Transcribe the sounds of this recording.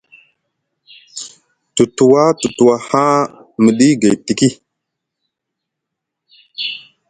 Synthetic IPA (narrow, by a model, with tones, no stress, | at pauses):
tu˨tu˨wa˦tu˨tu˨wa˨ha˦ | mə˨ɗi˦ɡa˨jti˨ki˦˨